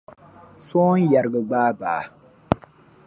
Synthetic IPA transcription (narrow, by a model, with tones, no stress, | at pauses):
so˦n˦ja˨ɾɡə˨ɡ͡baː˦ba̰ː˨